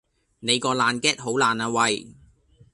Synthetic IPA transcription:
ne˨˧jkɔː˧laː˨nkɛː˥t̚ɦo˨˥wlaː˨˩naː˧wɐ˨j

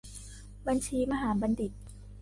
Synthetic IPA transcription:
ba˧nt͡ɕʰiː˧ma˧ɦaː˩˦ba˧ndi˨˩t̪̚

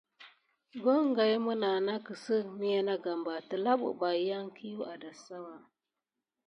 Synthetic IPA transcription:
ɡo˦ŋɡa˨jmu˦na˨na˦kə˨sə˦mi˦ja˦na˦ɡa˨mba˨tə˨la˦ɓṵ˨ba˨˦ja˦ŋkʰi˦ju˦a˨da˨sa˦wa˨

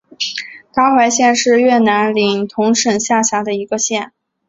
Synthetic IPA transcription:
k̪a˥xwa˧˥ɪɕjɛ˥˧nʂɻ̩˥˧ɥɛ˥˩na˧˥nli˨˩ŋt̪ʰʊ˧˥ŋʂə˨˩ŋɕja˥˩ɕja˧˥d̪ə˧i˧˥ɡə˧ɕjɛ˥˩n

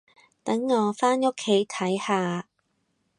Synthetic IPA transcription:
t̪ɐ˨˥ŋːɔː˨˧faː˥nʊ˥kʰːe˨˥jt̪ʰɐ˨˥jhaː˧

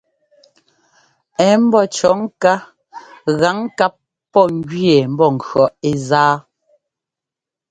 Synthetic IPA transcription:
ɛ˨˦m̩˦bɔ˦t͡ʃɔ˨˦ŋ˦ka˦ | ɣa˨˦ŋ˦ka˦p̚ | pːɔ˦˨ŋ˦ɡɥje˨m̩˦bɔ˦˨ŋ̩˨kɰɔ˨e˨zaː˦

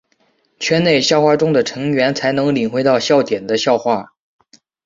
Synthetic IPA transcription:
t͡ɕʰɥɛ˥ne˥˩ɪɕjʊxwa˥˩ʈ͡ʂʊ˥ŋd̪ə˨ʈ͡ʂʰɤ˧˥ŋɥɛ˧˥nt͡sʰa˧˥ɪnɤ˧˥ŋli˨˩nxwe˧˥ɪt̪ɑ˥˧ʊɕjɑ˥˩ʊt̪jɛ˨˩nd̪ə˦ɕjɑ˥˧ʊxwa˥˩

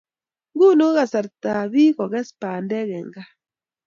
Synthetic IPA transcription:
ŋɡu˦no˦ɣa˨sa˨ɾta˨βi˦kɔ˨ɣɛ˦spaː˨ndɛ˦ɣɛ˨ŋɡa˦

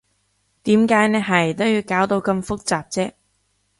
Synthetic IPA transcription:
t̪iː˨˥mkaː˨˧˥jnɛː˥ɦɐ˨˩jt̪o˥wjiː˨˧wkaː˨˥wt̪o˨˧wkɐ˧mfʊ˥k̚t͡saː˨p̚t͡sɛː˥

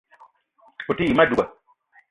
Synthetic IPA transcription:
ku˨ti˦i˨ma˦du˨ɡa˨

